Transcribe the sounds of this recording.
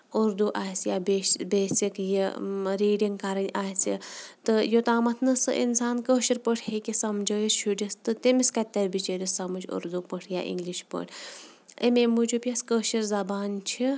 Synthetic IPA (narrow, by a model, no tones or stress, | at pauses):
uɾd̪uʔaːsjaːbebeːsikjiɾiːɖiŋɡkɐɾɐnʲaːsḭt̪ɨjot̪aːmɐt̪ʰnɨsɨ̰ʔḭnsaːnkəːʃiɾpəʈʰhekʲisɐmd͡ʒəːjisʃʰuɖʲist̪ɨt̪imiskɐt̪ʲːɐɾʲbit͡ʃeɾʲisɐmɐd͡ʒṵɾd̪upəʈʰja̰ːʔḭŋɡliʃpə̰ʈʰʲ | ḛmeːmud͡ʒupʲjɐskəːʃiɾzɐbaːnt͡ʃʰi